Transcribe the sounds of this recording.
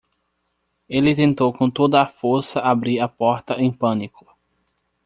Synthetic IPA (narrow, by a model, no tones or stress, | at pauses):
elɪt̪ẽnt̪owkõt̪od̪ɐːfoɾsɐʔabɾiɾɐpɔɾt̪ɐʔẽj̃pɐ̃nikʊ̥